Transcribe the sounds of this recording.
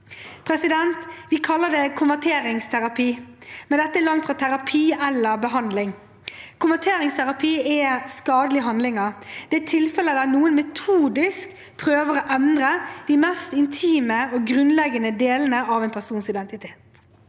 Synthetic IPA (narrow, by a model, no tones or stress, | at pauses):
pʰɾɛsɪd̪ɛnt̪ʋɪkʰɑlːəd̪ɛkʰʊnʋæt̪ʰeːɾɪŋst̪ʰæɾɑpʰiːmɛnd̪ɛt̪ːəɛlɑŋt̪fɾɑt̪ʰæɾɑpʰiːɛlːəɾbəɦɑnd̪lɪŋ | kʰʊnʋæt̪ʰeːɾɪŋst̪ʰæɾɑpʰiːɛskɑːd̪əlɪəɦɑnd̪lɪŋəɾd̪̥ɛæt̪ʰɪlfɛləd̪nuːənmɛt̪ʰuːd̪ɪsk | pʰɾøːʋəɾoʔɛnd̪ɾəd̪̥imɛst̪ɪnt̪ʰiːməɔɡɾʉnlɛɡənəd̪eːlənəʔɑʋɛnpʰæsuːnsɪd̪ɛnt̪ɪt̪ʰeːt̪